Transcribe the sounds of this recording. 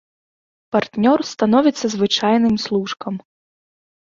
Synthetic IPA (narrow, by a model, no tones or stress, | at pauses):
part̪nʲɔrst̪anɔvʲit̪sːɐzvɨt͡ʂajnɨmslˠuʂkɐm